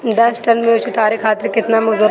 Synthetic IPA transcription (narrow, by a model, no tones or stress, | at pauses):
d̪ɐsʈɐnmẽʊt͡ʃɪt̪aːɾikʰaːt̪ɪɾkɪt̪namɐzʊɾ